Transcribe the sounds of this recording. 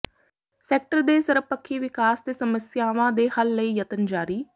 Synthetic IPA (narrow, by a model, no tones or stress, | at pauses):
sɛːk̚ʈəɾd̪eːsəɾpəkʰːiːʋɪkaːst̪eːsəməsjaːʋãːd̪eːhəlːəiːjət̪ənd͡ʒaːɾiː